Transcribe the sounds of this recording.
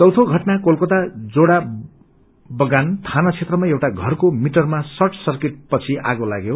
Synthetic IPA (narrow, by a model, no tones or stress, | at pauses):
t͡sʌwt̪ʰoɡʱʌʈnakolkot̪ad͡zoɽa | bʌɡant̪ʰanʌt͡sʰet̪rʌmaewʈaɡʱʌrkomiʈʌrmasʌʈʰsʌrkeʈ̚pʌt͡sʰiʔaɡolaɡjo